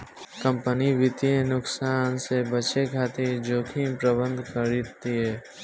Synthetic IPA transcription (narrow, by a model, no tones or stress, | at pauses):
kə̃mpəniʋɪt̪iẽnʊksaːnsebət͡ʃekʰaːt̪ed͡ʒoːkʰimpɾəbə̃nd̪ʱkəɾit̪ːieː